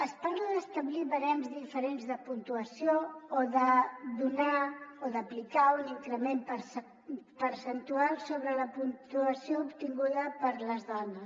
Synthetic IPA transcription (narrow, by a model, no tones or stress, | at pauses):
əspaɾlaðəst̪əβliβəɾɛmzðifəɾenzðəpunt̪uəsioːðəðunaoðəplikauniŋkɾəmempəs | pəɾsənt̪ualˠsoβɾələpunt̪uəsioupt̪iŋɡuðəpəɾləzðɔnəs